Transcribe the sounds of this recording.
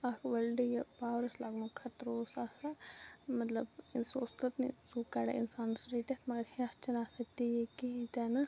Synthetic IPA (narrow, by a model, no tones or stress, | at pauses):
ɐkʰʋɐlɖijepaːʋɾɐslaːɡnukʰɐt̪ɾoːsaːsamɐt̪lɐbinsoːst̪ɐt̪nḭsuːkaːɽa̰ḭnsaːnsɾeːʈet̪mɐɡɐɾhiɐst͡ʃʰɐnaːsɐt̪ijekit̪aːnɐ